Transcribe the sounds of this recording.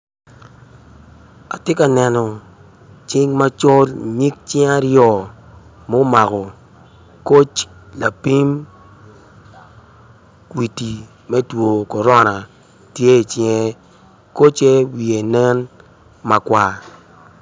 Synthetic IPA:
a̰˨tɪ˦ka˨nɛ˨nɔ˨ | t͡ʃɪ˦ŋma˦t͡ʃɔ˦lɲi˦k̚t͡ʃɛ˦a˦ɾjɔ˦˨ | mo˦ma˨kɔ˨ | ko˦t͡ʃ | la˨pi˦m | kwi˨ti˨ | mɛ˦two˨kɔ˨ɾɔ˦na˨ | tje˦˨t͡ʃjɛ˦ | ko˦t͡ʃe˦wi˨e˨nɛ˦n | ma˨kwa˦

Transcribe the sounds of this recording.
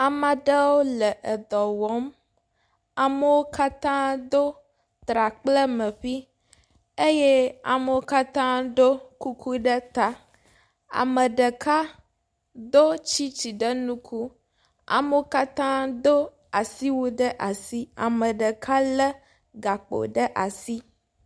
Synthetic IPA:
a˨ma˨ɖə˦wo˦lɛ˨ʔə˨d̪ɔ˨wɔ˦m | a˨mə˦wo˦ka˦t̪ã˦d̪o˦ | t̪ɾa˨k͡plə˦mɛ̃˨ɸi˦ | e˦je˦a̰˨mə˦wo˦ka˦t̪ã˦ɖ̪o˦ku˦kʰu˦ɖə˦t̪a˦ | a̰˨mə˨ɖə˨ka˦ | d̪o˦t͡ɕi˦t͡ɕi˨ɖə˦nũ˦kʰu˦ | a̰˨me˦o˦ka˦t̪ã˦d̪o˦ | a˨si˦wo˦ɖə˦ʔa˨si˦a̰˨mə˨ɖə˨kʰa˦lə˦ | ɡa˨k͡po̰˨ɖə˦ʔa˨si˦

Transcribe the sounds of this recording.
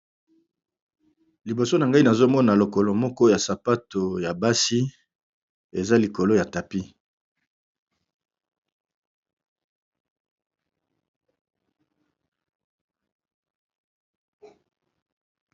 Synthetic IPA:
li˨bo˨so˦na˨ŋɡa˦i˦na˨zo˦mɔ˦na˨lo˨ko˨lo˨mɔ˦kɔ˦ja˨sa˨pa˦to˨ja˨ba˦si˦ | e˨za˦li˨ko˨lo˦ja˨ta˨pi˦

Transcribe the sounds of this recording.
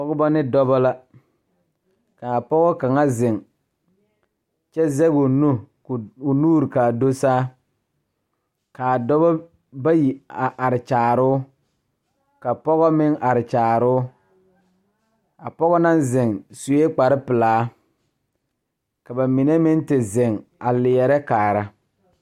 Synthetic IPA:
pɔ˦ɡɔ˦bɔ˦nɪ˦dɔ˦bɔ˦la˦ | ka˨a˨pɔ˦ɣɔ˦ka˨ŋa˦zɪ˨ŋ | t͡ʃɛ˦zɛ˦ɡʊ˨nu˦˨ | ʊ˨nuː˦ɾɪ˨ka˨do˦saː˦ | ka˨dɔ˦bɔ˦ | ba˦ji˨a˨ʔa˨ɾɪ˨t͡ʃaː˨ɾʊ˦ | ka˨pɔ˦ɣɔ˦mɪ˦ŋa˨ɾɪ˨t͡ʃaː˨ɾʊ˦ | a˨pɔ˦ɣɔ˦na˦nzɪ˨ŋsu˨e˦k͡pa˨ɾɪ˦pɪ˨laː˨˦ | ka˨ba˨mi˨ne˦mɪ˦n˦tɪ˨zɪ˨ŋa˨lɪ˨ɛ˨ɾɛ˦kaː˨ɾa˦

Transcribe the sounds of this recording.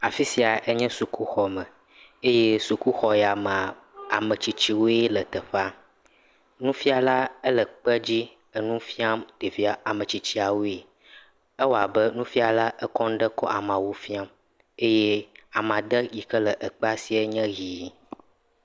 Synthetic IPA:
a˨fi˦si˨a˨ʔe˦ɲɛ̃˦su˨ku˦xɔ˨mɛ̃˨ | e˦je˦su˨ku˦xɔ˨ja˨mã˨ | a˨mə̃˨t͡ɕi˨t͡ɕi˦wo˦e˦lə˨t̪ə˨ɸa˦ | nũ˦fi˦a˨la˦ə˦lə˨k͡pə˦d͡ʑi˦ | ə˨nũ˦fi˦a˦mt̪e˨vi˦a˨a˨mə̃˨t͡ɕi˨t͡ɕi˦a˨wo˦e˨ | e˦wo˦˨a˨bə˦nũ˦fi˦a˨la˦ʔə˦kɔ˦n̩˦ɖə˦kɔ̰˦ʔa˨mã˨wo˦fi˦a˦m | e˦jɛ˦a˨m˨ã˨d̪ə˦ji˨kə˦lə˨ʔə˨k͡pa˦si˦e˦ɲɛ̃˦ɣi˨

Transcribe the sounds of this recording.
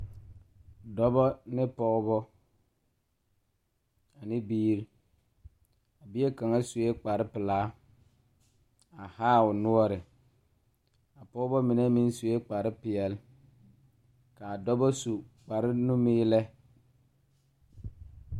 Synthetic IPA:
dɔ˦bɔ˦nɪ˦pɔ˦ɣbɔ˦ | a˨nɪ˦biː˦ɾi˦ | a˨bɪ˦ɛ˦ka˨ŋa˦su˨e˦k͡pa˨ɾɪ˦pɪ˨laː˨˦ | a˨haː˦˨ʊ˨nʊ˦ɔ˦ɾɪ˨ | a˨pɔ˦ɣbɔ˦mɪ˨nɛ˦mi˦n˦su˨je˦k͡pa˨ɾɪ˦pɪ˨ɛ˨l | ka˨a˨dɔ˦bɔ˦su˨k͡pa˨ɾɪ˦nu˦miː˦lɛ˦

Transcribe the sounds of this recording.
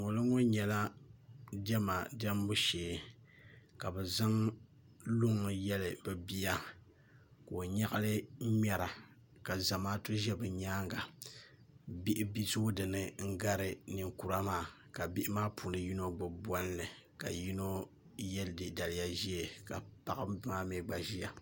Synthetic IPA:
ŋo˨lɨ˦ŋo˦ɲɛ˨la˦ | dɛ˦ma˨da˦m˦bu˦ʃeː˨ | ka˨bɛ˨za˦ŋ | lʊ˦ŋ˨jɛ˦lɨ˨bɛ˨bi˦ja˦ | ko˨ɲa˦ɣa˦lɨ˦mɛ˨ɾa˨ | ka˨za˨maː˦tu˦ʒɛ˦bɨ˨ɲaː˦ŋɡa˨ | bi˦ʔɪ˦bi˦su˦dɨ˨nɨ˦ŋ̩˦ɡa˦ɾɨ˦nɨ˨ŋku˨ɾa˦maː˦˨ | ka˨bi˦ʔɪ˦maː˦pu˨nɨ˨ji˦no˦ɡ͡bɨ˨bɔ˦n˦lɨ˨ | ka̰˨ji˦no˦ | jɛ˦ldɨ˨da˨lɪ˦ja˦ʒi˦e˨ka̰˨pa˨ɣa˦bma˦me˨ɡ͡ba˨ʒi˦a˨

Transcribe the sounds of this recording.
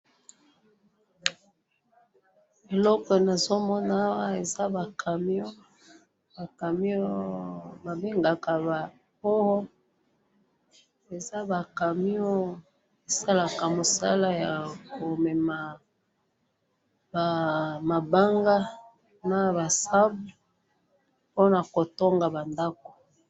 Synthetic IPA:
e˨lɔ˦kɔ˨na˨zo˦mɔ˦na˦a˦wa˦e˨za˦ba˨kʰa˨m˦o˦ | ba˨ka˨mi˦o˦ba˨be˦ŋɡa˨ka˨ba˨ | pɔ˦ɣɔ˦ | e˨za˦ba˨ka˨mi˦o˦ | e˨sa˦la˨ka˨mo˨sa̰˦la˦ja˨ko˨mɛ˨ma˨ | ba˨ma˨ba˦ŋɡa˦ | na˨ba˨sa˦bu˦ | po˦na˨ko˨to˦ŋɡa˨ba˨nda˦ko̥˨

